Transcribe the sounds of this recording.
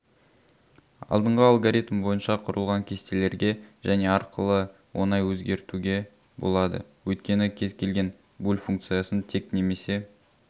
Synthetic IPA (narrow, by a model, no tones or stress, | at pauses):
ɑ̰lˠd̪əɴʁəɑlˠɡoɾʲit̪mbo̞jənʃɑqʰʊɾə̰lˠʁɑŋkʲʰe̞st̪e̞le̞ɾɡʲe̞ʒæne̞ɑɾqʰəlˠə | wʔo̞̰nɑjwɵzɡʲe̞ɾt̪uɡʲe̞ | bo̞̰lˠɑd̪ə̰wɵjt̪̚kʲe̞nɪkʲʰe̞zkʲʰe̞lɡʲe̞n | bulʲfuŋkt̪sɨjasənt̪ʰe̞kne̞me̞se̞